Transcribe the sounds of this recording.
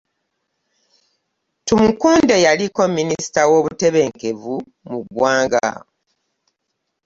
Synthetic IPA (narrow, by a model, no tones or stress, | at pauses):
tumukuːnde̞jaliko̞minisi̥tawo̞βute̞βe̞ŋke̞vu | muɡwaːŋɡa̰